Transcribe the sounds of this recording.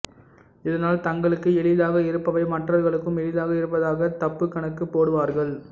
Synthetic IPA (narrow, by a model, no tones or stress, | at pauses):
ɪðɐnaːlt̪ɐŋɡɐɭɯkːɯɛɭɪðaːɣɐɪɾɯpːɐʋɐɪmɐʈrɐɾɣɐɭɯkːɯmɛɭɪðaːɣɐɪɾɯpːɐðaːɣɐt̪ɐpːɯkːɐɳɐkːɯpːoːɽɯʋaːɾɣɐɭ